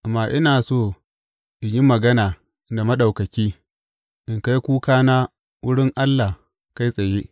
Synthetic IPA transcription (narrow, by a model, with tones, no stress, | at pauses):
ʔmːaː˨ʔɪ˦naː˨soː˦˨ | ʔɪ˨ɲji˦mɐ˨ɡɐ˦naː˨ | da˨mɐ˦ɗa˨wkɐ˨kʲiː˦ | ʔɪ˨ŋka˦jkʷuː˦kaː˦naː˦ | wʊ˦ɽɪ˦ŋʔa˦lːa˨h | ka˦jsʼɐ˨jeː˦ʔ